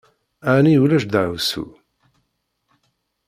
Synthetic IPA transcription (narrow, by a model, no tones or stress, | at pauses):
æniulæʃd̪əʕusṵ